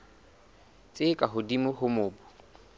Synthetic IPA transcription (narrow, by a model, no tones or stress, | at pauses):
t͡sʼɪkʼaɦʊdimʊhʊmʊːbʊ